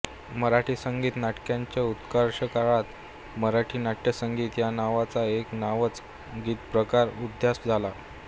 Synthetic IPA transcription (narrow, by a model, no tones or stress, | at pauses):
məɾaʈʰiːsəŋɡiːt̪naʈkjãɲt͡ɕjaut̪kəɾʂəkaɭat̪ | məɾaʈʰiːnaʈjəsəŋɡiːt̪janaʋat͡saeknaʋət͡s | ɡiːt̪pɾəkaɾud̪ʱjasd͡zʱala